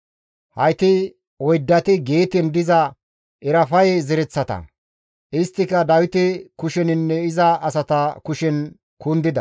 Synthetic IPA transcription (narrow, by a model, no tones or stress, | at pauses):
hɐjt̪ɪ | ɔjd̪ːɐt̪ɪɡeːt̪ɪnd̪ɪzɐ | ʔɪɾɐfɐjɛzɪɾɛt͡sːɐt̪ɐ̰ | ʔɪst̪ːɪkːɐd̪ɐwɪt̪ɪkʊʃɛnɪnːɛɪzɐɐsɐt̪ɐkʊʃɛn | kʊnd̪ɪd̪ɐ̰